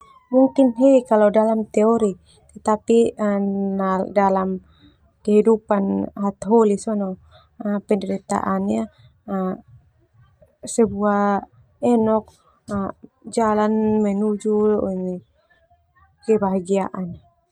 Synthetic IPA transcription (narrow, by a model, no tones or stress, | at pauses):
muŋkinɦɛikalɔdalamt̪ɛɔɾi | t̪ɛt̪api | nadalam | kɛɦidupanɦat̪ɦɔlisɔnɔ | pɛndɛɾit̪a̰ʔana | sɛbua | ɛnɔk̚ | d͡ʒalanmɛnud͡ʒuni | kɛbaɦaɡia̰ʔan